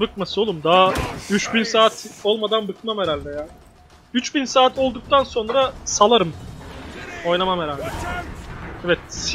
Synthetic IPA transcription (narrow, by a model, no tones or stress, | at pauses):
bɯkmasɯo̞lˠumd̪aɦyt͡ʃbinsaːt̪ʰo̞lˠmad̪anbɯkmameɾalʲd̪ɛjaː | yt͡ʃbinsaːt̪ʰo̞lˠd̪uk̚t̪ʰanso̞nɾasalˠaɾɯm | o̞jnˠamameɾalʲd̪ɛ | ɛvɛt̪̚s